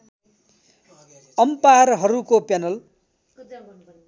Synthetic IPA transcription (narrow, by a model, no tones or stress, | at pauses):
ʌmparɦʌɾukopjanʌl